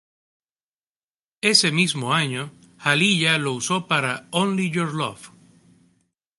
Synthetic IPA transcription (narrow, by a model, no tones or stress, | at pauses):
e̞se̞mizmoaɲo̞ | haliʎalo̞uso̞paɾaonliʝoɾlo̰f